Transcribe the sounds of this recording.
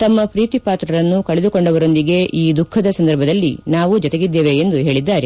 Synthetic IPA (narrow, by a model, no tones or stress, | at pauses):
t̪ɐmːɐpɾiːt̪ipaːt̪ɾɐɾɐnːukɐɭed̪uko̞ɳɖɐʋɐɾo̞nd̪iɡe̞ʔiːd̪ukʰːɐd̪ɐsɐnd̪ɐɾbʱɐd̪ɐlːinaːʋud͡ʒɔt̪e̞ɡid̪ːeːʋe̞ːnd̪uɦe̞ːɭid̪ːaːɾe